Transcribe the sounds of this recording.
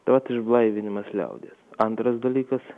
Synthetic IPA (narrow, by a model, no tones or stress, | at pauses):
t̪ɐʋɐt̪ɪʒblˠɐɪʋʲɪnʲɪmɐslʲɛ̰ʊd̪ʲeːsɐnt̪ɾɐsd̪ɐlʲiːkɐs